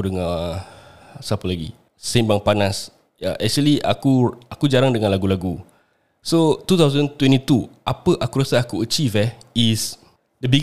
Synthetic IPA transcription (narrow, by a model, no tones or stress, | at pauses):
dəŋa | sapəlaɡḭ | sẽnbaŋpanas | ja̰ʔɛk̚t͡ʃuəlia̰kuakud͡ʒaɾaŋdəŋãnlaɡulaɡu | sot̪ut̪awzə̃nt̪wɛ̃ntit̪uʔapəʔakuɾasaakuət͡ʃifɛis | dəbiɡ